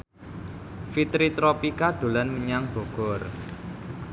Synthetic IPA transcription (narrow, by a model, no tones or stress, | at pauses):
fit̪ɾit̪ɾɔpikad̪̥o̤lanməɲaŋb̥ɔ̤ɡ̥ɔ̤r